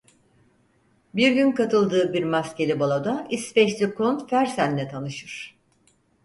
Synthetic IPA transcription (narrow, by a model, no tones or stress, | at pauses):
biɾɟynkat̪ʰɯlˠd̪ɯːbiɾmasce̞lʲibalˠad̪aispɛʃlʲikʰonfæɾsænːʲɛt̪ʰanɯʃɯɾ̥